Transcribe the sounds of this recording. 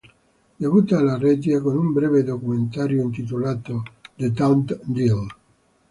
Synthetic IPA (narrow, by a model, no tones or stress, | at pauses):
d̪evuːt̪aːlarɛd͡ʒiakonumbɾɛːved̪okument̪aːɾjoint̪it̪̬olaːt̪od̪et̪awnt̪d̪il